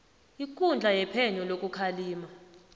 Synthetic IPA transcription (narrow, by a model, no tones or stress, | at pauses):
ik̬ʼund͡ɮʱajɛpʰɛɲɔlokʼukʰaliːma